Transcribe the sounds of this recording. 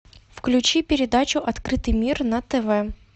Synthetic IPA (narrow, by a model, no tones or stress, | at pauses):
fklʲʉt͡ɕipʲɪɾʲɪd̪at͡ɕʊʔɐt̪kɾɨt̪ɨjmʲirnət̪ɛvɛ